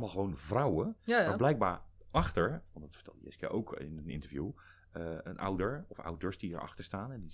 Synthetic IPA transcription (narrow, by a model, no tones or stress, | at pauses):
lˠmalˠχəʋownvrawəmablɛjk̚ba̰ːɹʔɑχtəɹʋɑntdɑtfə̥ɹtɛ̰lˠəjɛ̰skja̰ʔowkʰɪ̰nənɪ̰ntəɹvjṵ | ənʔa̰wdəɹɔfa̰wdəɹsdiəɹʔɑ̰χtəɹstaːnɛndi